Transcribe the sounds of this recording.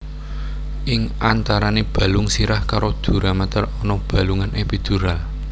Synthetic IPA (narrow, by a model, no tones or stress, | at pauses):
ʔɪŋant̪aɾaneb̥a̤luŋsiɾahkaɾod̪̥ṳɾamat̪ərɔnɔb̥a̤luŋanʔepid̪̥ṳɾal